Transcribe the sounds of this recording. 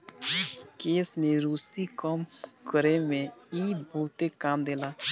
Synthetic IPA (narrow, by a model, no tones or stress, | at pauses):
keːsmẽɾuːsikəmkəɾemẽiːbʱɔːt̪ekaːmd̪eːlaː